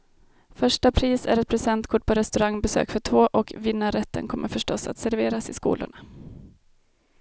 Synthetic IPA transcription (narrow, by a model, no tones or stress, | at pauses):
fœʂʈapʰɾiːsæ̰ɾɛt̪̚pʰɾɛsɛnt̪kʰʊʈ̚ːpʰɔɾɛst̪ɵɾaŋːbɛsø̰ːkfœʈʰvoːʔɔkvɪnːaɾɛt̪ʰːə̰nkʰɔmːəɾfœʂʈɔsa̰t̪sæɾveːɾasɪskṵːlʊ̰ɳa